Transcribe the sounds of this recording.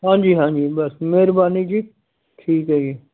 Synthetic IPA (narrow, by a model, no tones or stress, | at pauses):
ɦãːd͡ʒiːɦãːd͡ʒiːbɐsmeːɾbaːnid͡ʒiː | ʈʰiːkɦɛːɡiː